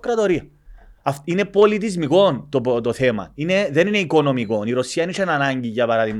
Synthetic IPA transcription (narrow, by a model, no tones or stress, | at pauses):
kɾɐt̪oɾiɐ | ɐfine̞po̞lit̪̬izmiko̞nt̪opt̪oθe̞mɐ̰ine̞ðe̞nineiko̞no̞miko̞niɾo̞siɐniʂenɐnɐɲɟiʝɐpɐɾɐðiɣ